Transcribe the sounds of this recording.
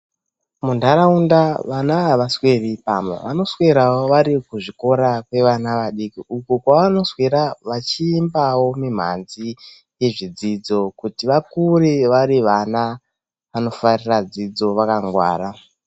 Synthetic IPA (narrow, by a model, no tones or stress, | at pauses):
mundʱaɾaundaʋanaʋaswe̞ripamwḛʋa̰no̞swe̞ɾawo̞ʋaɾikuʐiko̞ɾakwe̞ʋanaʋaɗikiukukwaʋano̞sweɾaʋat͡ʃiːmbawo̞mim̤a̰nzi | je̞ʐid͡zid͡zo̞kutiʋakuriʋaɾiʋana | ʋano̞farirad͡zid͡zo̞ʋakaŋɡwa̰ːɾa